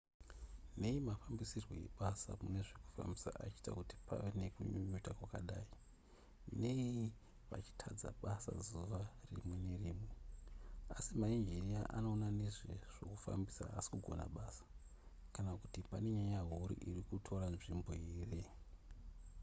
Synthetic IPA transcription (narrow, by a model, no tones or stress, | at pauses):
ne̞imafambisirwo̰je̞̰ɓasa̰mune̞ʐeku̥fa̰mbisa̰ʔat͡ʃi̥ːtakuti̥pʰa̰ʋenekuɲuɲutakwakaɗaːi | ne̞i | ʋa̰t͡ʃi̥tʰad͡za̰ɓasa̰zuʋarḭmwe̞ne̞riːmwe | asimaind͡ʒiriaʔano̞ːnaneʐeʐ̥o̞̰kufa̰mbisa̰asi̥kuɡʱo̞na̰ɓasḁ | kanakutipane̞ɲaɲaɦuɾḭʔirikutʰo̞ɾanʐimbo̞iːre